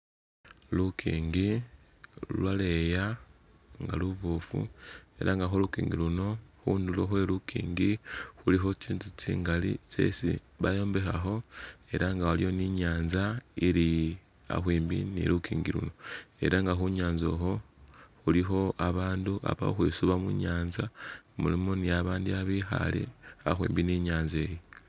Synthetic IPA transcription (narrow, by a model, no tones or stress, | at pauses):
lukʰḭːŋɡi | lwaleja | ŋɡa̰luβofṵe̞̰ɾʔaŋɡaxolukḭːŋɡiluno̞xuːnduloxwe̞lukʰḭːŋɡixulixo̞t͡ʃiːntut͡ʃḭːŋɡalḭt͡ʃe̞̰sḭ | βajo̞ːmbe̞xaxo̞e̞ɾʔaŋɡawalijo̞niɲaːnzaiɾi | a̰xwiːmbḭnḭlukʰiːŋɡilṵno̞e̞̰ɾaŋɡaxuɲaːnzo̞xo̞xulixo̞aβaːndua̰βa̰oxweːsuβamuɲaːnzamṵlimonijaβaːndiaβixa̰lḭaxwḭːmbiniɲaːnze̞je